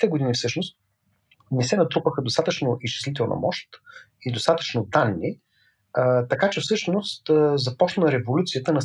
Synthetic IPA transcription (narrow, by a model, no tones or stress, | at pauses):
t̪ɛɡod̪inʲifsɤʃnost̪ | nɛsɛnɐt̪ɾupəxəd̪ost̪at̪ət͡ʃnoʔist͡ʃɛ̥slit̪̬ɛlˠnɐ̰mɔʃt̪id̪ost̪at̪ə̥t͡ʃnod̪anːi | ət̪ɐkat͡ʃɛfsɤʃnost̪ːzɐpɔt͡ʃnnɐɾɛvolʲut̪sijət̪ənɐ